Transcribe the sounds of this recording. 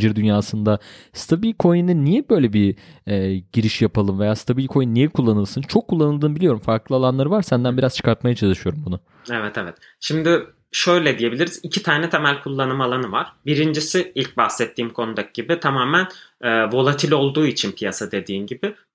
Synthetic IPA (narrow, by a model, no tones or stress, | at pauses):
d͡ʒiɾd̪ynjaːsɯnd̪ast̪ʰabilʲkʰo̞jinɯnnːijɛbø̞jlʲɛbiɛːɟiɾiʃjapʰalˠɯmve̞jaːst̪ʰabilʲkʰo̞jinːijɛkʰulˠːanɯlˠsɯnt͡ʃʰo̞kʰːulˠːanɯlˠɯːnɯbilʲjo̞ɾumfaɾklˠɯalˠanlˠaɾɯvaɾsænd̪ænbiɾaz̥t͡ʃʰɯ̥kʰaɾt̪̚majat͡ʃʰalˠɯʃɯjo̞ɾumbunʊ | evɛt̪ʰevɛt̪ | ʃimd̪ɪ | ʃø̞jlʲɛd̪ije̞bilʲiɾizicʰit̪ʰaːnɛt̪ʰemælʲkʰulˠːanɯmalˠanɯvaɾ̥biɾind͡ʒisɪilʲc̚baxsɛt̪ʰːiːmkʰo̞nud̪akɟibɪt̪ʰamaːmænɛːvo̞lˠat̪ʰilʲo̞lˠd̪uːit͡ʃʰinpʰijasad̪e̞d̪iːmɟibɪ